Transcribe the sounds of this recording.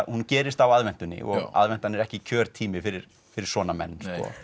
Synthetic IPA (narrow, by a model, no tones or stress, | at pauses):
huncɛːɾɪst̪awaðvɛn̥t̪ʏnːɪ̰ʔɔ̰ɣa̰ðvɛn̥t̪anɛɾɛhcɪcʰœːɾ̥t̪ʰiːmɪfɪɾɪɾ̥ | fɪɾɪɾ̥sɔːnamɛ̰nːskɔ̰